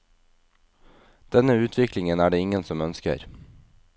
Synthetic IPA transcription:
d̪̥ɛnəʉːt̪ʰʋɪklɪŋənæːɖeːɪŋənsɔmœnskə̰ɾ

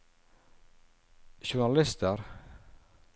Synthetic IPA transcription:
ʃʊɳɑlɪst̪əɾ

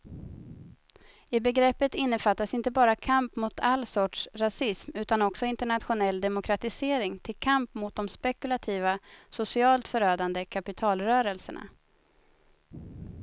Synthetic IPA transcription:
ɪbɛɡɾɛpːət̪ɪnːəfat̪ːasɪnt̪əbɑːɾakʰampmʊt̪ʰalːsɔʈʂɾasɪsmʉ̟ːt̪anɔksɔɪnt̪əɳat̪ɧʊnɛld̪ɛmʊkʰɾat̪ɪseːɾɪŋt̪ʰɪlkʰampmʊt̪̚d̪ɔmspɛkɵlat̪ʰiːvasʊsɪɑːlt̪fœɾøːd̪and̪əkʰapɪt̪ʰɑːlɾœːɾəlsəɳa̰

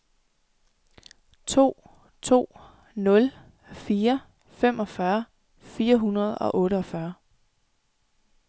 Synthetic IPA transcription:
t͡sʰo̝̰ː | t͡sʰo̝̰ː | nɔ̽l | fiːɐ | fem̰ʔɒ̽fɶɐ | fiːɐɦunɐð̞̩ˠɒ̽ʔɔ̽ːɾəɒfɶɐ

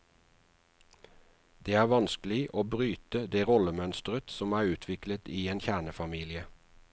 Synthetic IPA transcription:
d̪̥eːæːʋɑnsklɪʔoːbʁyːt̪əd̪eːʁɔləmœnst̪ʁət̪sɔmæːʉːt̪ʰʋɪklət̪iːeːnçæːɳəfɑmiːlɪə

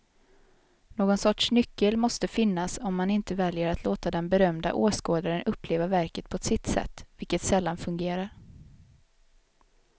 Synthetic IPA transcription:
noːɡɔnsɔʈʂnʏkːəlmɔst̪əfɪnːasɔmːanɪnt̪əvɛljəɾat̪ʰloːt̪ad̪ɛnbɛɾœmd̪a̰ʔoːskoːd̪aɾənɵpːleːvavæɾkət̪̚pʰɔɛt̪sɪt̪ːsɛ̰t̪ːvɪlkət̪sɛlːanfɵŋɡeːɾaɾ

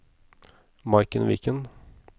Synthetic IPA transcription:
mɑɪkənʋɪ̰ːkən

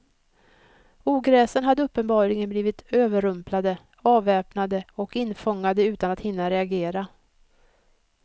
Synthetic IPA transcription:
uːɡɾɛːsənɦad̪ːəɵpːənbɑːɾlɪɡənbliːvɪt̪øːvəɾɵmplad̪ə | ɑːvɛːpnad̪əɔkɪnːfɔŋːad̪əʉ̟ːt̪anat̪hɪnːaɾɛaɡeːɾa

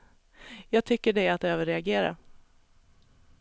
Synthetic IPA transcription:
jɑːɡ̚t̪ʰʏkːəɖɛat̪̚d̪ɛøːvəɾɛaɡeːɾa̰

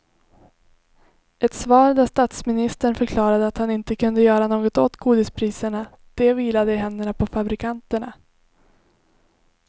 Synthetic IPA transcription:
ɛt̪svɑːɾd̪ast̪at̪smɪnɪst̪əɳfœɾkʰlɑːɾad̪əat̪hanɪnt̪əkʰɵnd̪əjœːɾanoːɡɔt̪ot̪ːɡʰuːd̪ɪspʰɾiːsəɳa | d̪̥ɛviːlad̪əɦɛnd̪əɳapʰɔfabɾɪkʰant̪əɳa

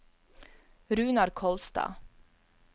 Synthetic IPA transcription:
ɾʉ̟ːnaɖkʰɔlst̪ɑ̰ː

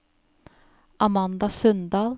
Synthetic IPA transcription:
ʔɑmɑnd̪ɑsœnd̪ɑːl

